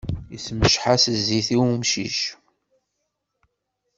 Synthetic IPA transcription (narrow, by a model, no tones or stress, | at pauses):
jisməʃħasəzːiθiwumʃiʃ